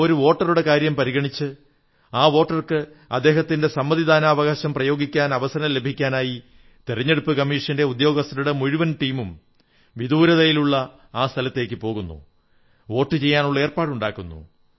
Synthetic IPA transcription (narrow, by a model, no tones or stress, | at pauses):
o̞ɾuʋo̞ːʈːɐruɽe̞kaːɾjɐmpɐɾiɣɐɳit͡ɕːɨ | aːʋo̞ːʈːɐrkɨ | ɐ̰d̪ːeːɦɐt̪ːinde̞sɐmːɐðid̪aːnaːɐʋɐɣaːɕɐmprɐjo̞ːɡikʲːaːnɐʋɐsɐɾɐle̞bʱikʲːaːnaːji | t̪eriɲːe̞ɽupːɨkɐmːiːʂɐnde̞ud̪jo̞ːɡɐst̪ːɐɾuɽe̞muɻiʋɐnʈiːmum | ʋid̪ʱuːɾɐðɐjiluɭːɐ | aːst̪ʰɐlɐt̪ːe̞ːkʲːɨpo̞ːɣunːṵ | o̞ːʈːɨt͡ɕe̞jːaːnuɭːɐe̞ːrpaːɽuɳɖaːkːunːṵ